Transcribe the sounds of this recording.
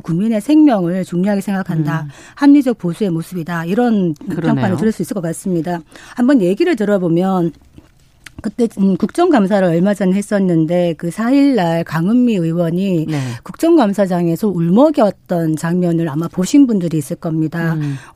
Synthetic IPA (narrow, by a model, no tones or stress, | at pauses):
kuŋmine̞sʰe̞ŋmjʌŋɯɭt͡ɕuŋɲoɦaɡisʰe̞ŋɡakʰanda | hammid͡ʑʌk̚p͈osʰue̞mosʰɯbidaiɾʌnpʰak͈wanɯɭtɯɾʌɭs͈uis͈ɯɭk͈ʌk͈as͈ɯmɲidahambʌnje̞ɡiɾɯɭtɯɾʌbomjʌn | kɯt͈e̞kuk̚t͡ɕ͈ʌŋɡamsʰaɾɯɭʌɭmad͡ʑʌnɦe̞s͈ʌnːɯnde̞kɯsʰaiɭːaɭkaŋɯmːiɯiwʌɲikuk̚t͡ɕ͈ʌŋɡamsʰad͡ʑaŋe̞sʰʌuɭmʌɡiʌt̚t͈ʌnt͡ɕaŋmjʌnɯɾamapoɕʰinbundɯɾiːs͈ɯɭk͈ʌmɲida